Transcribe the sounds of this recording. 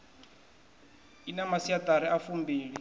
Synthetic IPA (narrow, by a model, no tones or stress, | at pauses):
inamasiataɾiafumbiːli